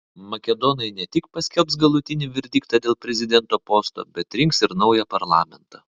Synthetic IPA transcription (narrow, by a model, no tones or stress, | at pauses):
mɐkʲɛd̪ɔnɐɪnʲɛt̪ʲɪkpɐsʲkʲɛlʲˠpsɡɐlˠʊt̪ʲɪnʲɪʋʲɛɾʲd̪ʲiːk̚t̪ɐd̪ʲeːlˠpʲɾʲɛzʲɪd̪ʲɛnt̪oːpoːst̪o̰ːbʲɛt̪ɾʲɪŋksɪɾnɒʊjɛpɐɾlˠɑːmʲɛnt̪ɐ